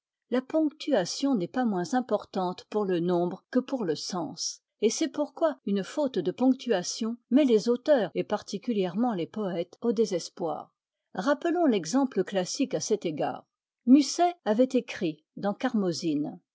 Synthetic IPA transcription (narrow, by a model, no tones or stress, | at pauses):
lapɔ̃kt̪ʰyasjɔ̃nɛpamwɛ̃zɛ̃pɔʁt̪ɑ̃t̪puʁlənɔ̃bʁəkəpuʁləsɑ̰̃s | esɛpuʁkwaynfot̪d̪əpɔ̃k̚t̪ʰyasjɔ̃mɛlezot̪œːʁepaʁt̪ikʲyljɛʁmɑ̃lepɔɛt̪od̪ezɛspwa̰ːʁ | ʁapəlɔ̃lɛɡzɑ̃pləklasikasɛt̪eɡa̰ːʁ | mysɛavɛt̪ekχi | d̪ɑ̃kaʁmɔzin